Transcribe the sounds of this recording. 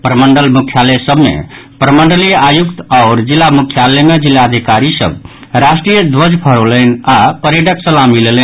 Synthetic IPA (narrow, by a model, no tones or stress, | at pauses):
pɾəməɳɖəlmukʰːjalesəbmḛpɾəməɳɖəliajukt̪aʊɾd͡ʒilːamukʰjalemed͡ʒilːaəd̪ʱikaɾisə̰b̚ | ɾasʈɾijəd̪ʋəd͡ʒpʰəɾolənapəɾeɖəksəlamilelən